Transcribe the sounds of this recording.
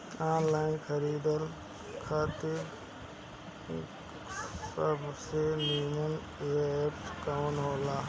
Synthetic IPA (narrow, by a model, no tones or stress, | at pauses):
aːnlaːɪnkʰəɾiːd̪əl | kʰaːt̪iɾ | səbseniːnən | eːaepskanɦoːlaː